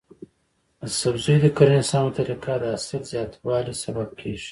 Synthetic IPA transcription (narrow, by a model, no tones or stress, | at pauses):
asabzujd̪əkaɾnɪsɑnt̪ʰaɾikad̪əasɪlzjɑt̪wɑːlisabab̚kʰeʒ̥i̥